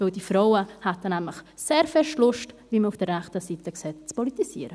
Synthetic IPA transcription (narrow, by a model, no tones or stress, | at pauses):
vɪldifɾoʊəhatənɛmləχ | seːɾfɛʃtlʊʃtviːməufd̥ərɛχtəsitəksɛːt̚t͡spɔlitisiəɾə